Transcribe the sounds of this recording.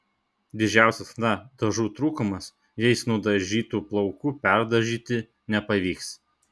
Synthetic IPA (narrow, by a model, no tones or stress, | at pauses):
d̪ʲɪd͡ʒʲæˑʊsʲɛsnɐd̪ɐʒuːt̪ɾuːkʊmɐs | jɛɪsnʊd̪ɐʒʲiːt̪uːplˠɒʊkuːpʲæˑɾd̪ɐʒʲiːt̪ʲɪ | nʲɛpɐʋʲiːks